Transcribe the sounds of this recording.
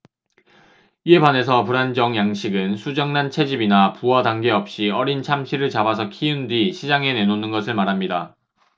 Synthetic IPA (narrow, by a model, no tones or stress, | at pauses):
ie̞bane̞s̬ʰʌpuɾand͡ʑʌŋjaŋɕʰiɡɯnsʰud͡ʑʌŋnant͡ɕʰe̞d͡ʑibinapuwʌdaŋɡe̞ʌp̚ɕ͈iʌɾint͡ɕʰamɕʰiɾɯɭt͡ɕabasʰʌkʰiundɥiɕʰid͡ʑaŋe̞ne̞nonɯnɡʌsʰɯɭmaɾɦamɲida